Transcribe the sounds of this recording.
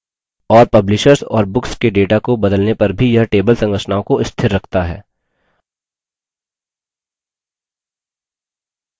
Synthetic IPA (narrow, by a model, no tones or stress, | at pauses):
ɔːɾpɐblɪʃəɾsɔ̰ːɾbʊkskeɖeːʈakobɐd̪əlnepɐɾbʱijɐɦʈeːbəlsɐ̃ŋɡəʃnaːõkoɪst̪ʰɪɾːɐkʰt̪aɦɛ̰ː